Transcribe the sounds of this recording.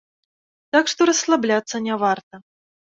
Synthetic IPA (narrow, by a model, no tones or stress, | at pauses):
t̪akʂt̪ɔɾɐsːlˠablʲat̪sːɐnʲavart̪ɐ